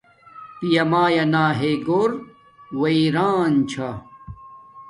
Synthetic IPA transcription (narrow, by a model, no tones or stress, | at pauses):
pijɐmaːjɐnaːɦeɡoːɾ | wɐiɾaːnt͡ɕʰa